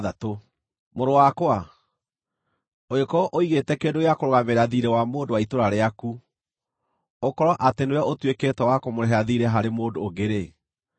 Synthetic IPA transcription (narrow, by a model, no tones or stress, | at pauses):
ðato | moɾowakwa | oekɔʔoiɣetɛkeːndojakoɾoɣameɾaðiɾɛwamoːndowaitoɾaɾeaku | okɔɾɔʔatenewjaʔotweketɛwakomoɾɛɦɛaðiɾɛɦaɾemoːndoːɡeɾe